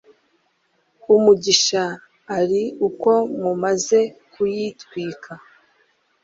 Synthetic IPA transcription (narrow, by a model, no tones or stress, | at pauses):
umuɟiʃaː | ɾiuko̞mumaze̞kujitwiːkʰa